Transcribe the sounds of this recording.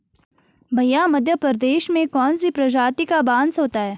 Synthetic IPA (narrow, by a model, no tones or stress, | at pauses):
bʱɐjamɐd̪ʱjəpəɾd̪eːʃmẽkɔːnsipɾɐd͡ʒaːt̪ikabãːnsɦoːt̪aɦɛː